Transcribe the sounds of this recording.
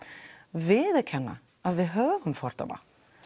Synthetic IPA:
vɪðɛkʰɛnːa̰ | aðvɪðɦœːvʏmfɔɾ̥t̪a̰na̰

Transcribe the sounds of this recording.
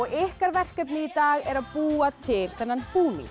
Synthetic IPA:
ɔɣɪhkaɾvɛr̥kɛpnɪit̪aːɣɛɾaðpuːat̪ʰɪl̥θɛnːanpuːmḭ

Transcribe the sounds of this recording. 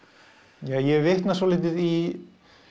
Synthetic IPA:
jajɛvɪht̪nasɔlɪːt̪ɪði

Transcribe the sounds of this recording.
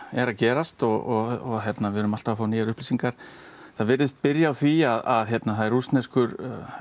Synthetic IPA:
ɛɾacɛːɾast̪ɔɣɔɣɔçjɛt̪navɪɾʏmal̥t̪aafaːwniːɣaɾʏhpliːsiŋkaɾ̥ | θaðvɪɾðɪst̪̚pɪɾjawθviaðaðçjɛt̪naθaðɛɾust̪nɛskʏɾ

